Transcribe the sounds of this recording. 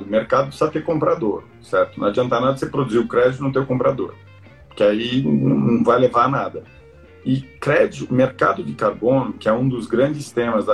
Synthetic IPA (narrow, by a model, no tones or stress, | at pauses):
meɾkad̪ʊsat̪ekõmpɾad̪oɾ | sɛɾt̪ʊnɐ̰̃ad͡ʒiɐ̃nt̪anad̪ɐsepɾod̪uziwʊkɾɛd͡ʒit̪ʊnʊt̪̬ewkõmpɾad̪o̰ɾ | pʊɾkɪainɐ̃w̃nɐ̃w̃vajlevanad̪ɐ | ɪkɾɛd͡ʒʊmeɾka̰d̪ʊd͡ʒɪkaɾbõnʊkɪɛũd̪ʊzɡɾɐ̃nd͡ʒɪst̪ẽmɐzɐ